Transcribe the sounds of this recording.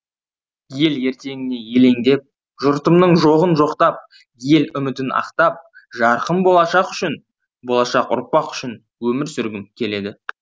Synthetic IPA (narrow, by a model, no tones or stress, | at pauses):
je̞lje̞ɾt̪e̞ŋʲɪne̞je̞le̞ŋd̪e̞p̚ | ʒʊɾt̪əmnəɴʒoʁənʒo̞qt̪ɑp̚ | je̞lʏmɪt̪ɪnɑ̰qt̪ɑp̚ | ʒɑɾqəmbo̞lˠɑʃɑqʏ̥ʃɪn | bo̞lˠɑʃɑqʊ̰ɾpɑqʏ̥ʃɪn | wɵmɪɾsʏɾɡʲɪmkʲʰe̞le̞d̪ɪ